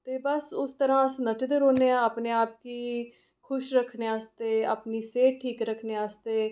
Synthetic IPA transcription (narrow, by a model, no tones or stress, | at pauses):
t̪eːbəsʊst̪əɾãːsnət͡ʃd̪eːɾoːneːãːaːpneːaːp̚kiː | kʰʊʃɾəkʰneːaːst̪eːa̰ːpniːseːʈ̚ʈʰːiːkɾəkʰneːaːst̪eː